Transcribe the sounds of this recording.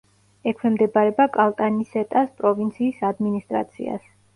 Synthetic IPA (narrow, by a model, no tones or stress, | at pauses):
ɛkʰwɛmd̪ɛbaɾɛbakʼalˠt̪ʼanisɛt̪ʼaspʼɾɔvint̪sʰiːsad̪minist̪ʼɾa̰t̪sʰḭa̰s